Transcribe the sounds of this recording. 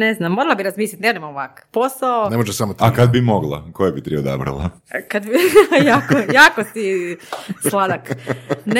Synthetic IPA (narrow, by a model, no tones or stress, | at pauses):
neznamːoɾalˠabiɾazmiːslʲit̪nenemooʋakposaonemoʒeʃsamot̪akad̪̚bimoɡlˠa̰kojebit̪ɾiod̪a̰bɾa̰lˠa̰ | kad̪jaːkojaːkosi | slˠad̪akn